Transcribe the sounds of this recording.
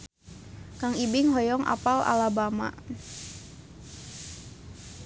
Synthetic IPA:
kaŋibɪŋɦɔjɔŋʔa̰pala̰labama̰

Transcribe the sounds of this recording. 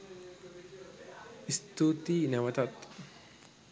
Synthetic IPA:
ɪst̪ːuːt̪iːnɐmɐt̪ɐt̪ː

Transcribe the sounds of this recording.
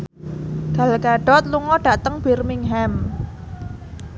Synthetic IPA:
ɡ̥a̤lɡaɖ̥ɔ̤t̪̚luŋɔɖ̥a̤ʔt̪əŋb̥irmɪŋɦɛm

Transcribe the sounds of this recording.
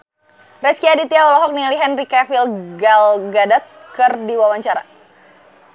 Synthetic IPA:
rɛskiadit̪iaɔlɔɦɔk̚nialiɦɛnrikafilɡalɡadat̪̚kərdiwawaɲt͡ʃaɾa̰

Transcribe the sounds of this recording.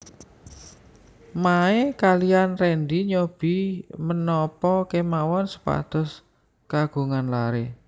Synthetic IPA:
maekalianrɛnd̪iɲob̥i̤mənɔpɔkemawɔnsə̥pa̰d̪̥ɔ̤s | kaɡ̥ṳŋanlaɾe

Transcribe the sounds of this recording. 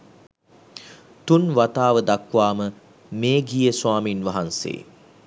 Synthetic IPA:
t̪unʋat̪aːʋəd̪akʋaːmə | meːɡijəswaːminʋaɦansḛː

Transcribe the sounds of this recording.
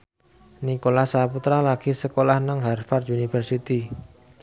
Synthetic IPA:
nikolahsaput̪ɾalaɡ̥isəkolahnaŋɦarfarunifərsit̪i

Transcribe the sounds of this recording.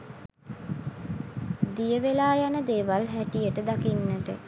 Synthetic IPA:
d̪ijəʋelaːjanəd̪eːʋalɦæʈijəʈəd̪akinːəʈə

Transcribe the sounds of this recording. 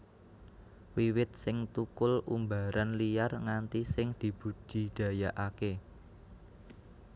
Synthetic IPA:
wiwɪt̪̚sɪŋt̪ukʊlṵmbaɾʔanlijarŋant̪isɪŋd̪̥i̤b̥ṳd̥i̤ɖ̪̥a̤jaʔake

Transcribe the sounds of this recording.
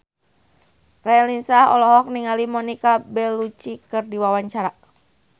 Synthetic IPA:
rɛɛlinsahɔ̰lɔɦɔk̚niŋalimɔnikabɛlut͡ʃikɨrdiwawaɲt͡ʃaɾa

